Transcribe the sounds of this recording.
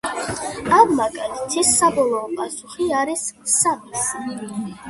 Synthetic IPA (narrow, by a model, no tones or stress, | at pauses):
amːakʼanit̪ʰɛsːabɔlˠɔːpʼasuχiaɾissamisi